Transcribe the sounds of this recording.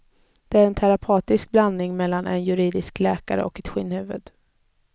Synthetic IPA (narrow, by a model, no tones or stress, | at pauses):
d̪̥ɛæɾɛnt̪ʰaɾapʰɑːt̪ɪsk̚blanːɪŋmɛlːanʔɛ̰njɵɾiːd̪ɪsklɛːkaɾə̰ɔkɛt̪ɧɪnːhʉ̟ːvə̰d̪